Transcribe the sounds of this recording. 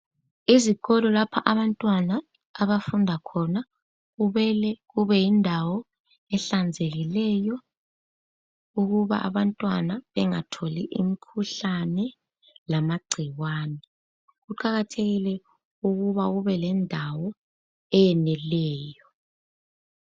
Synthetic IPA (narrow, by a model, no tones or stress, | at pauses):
iziɣɔlɔlapʰaʔaβantʼwanaː | βafundʱakʰɔna | ɣuβɛlɛɣuβɛjindʱawɔ | ɛɬand͡zʱeɣilɛjɔ | uɣuβa̰ʔa̰βantʼwanaβɛŋatʰolḭʔimikʰuɬanɛ | lamaɡ͡ǀʱiwaːnɛ | ɣuǃaɣatʰeɣilɛ | uɣuβaɣuβɛlɛndʱawɔ | ɛjɛnɛlɛːjɔ